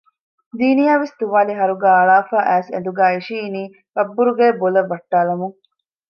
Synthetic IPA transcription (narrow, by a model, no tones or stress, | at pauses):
d̪iːnijaːʋest̪uʋaːliɦɐɾuɡæːɐɭaːfaːʔæːsɐ̰nd̪uɡæːiʃiːniː | bɐbːuɾuɡeːbolɐʋːɐʈːaːlɐmuŋ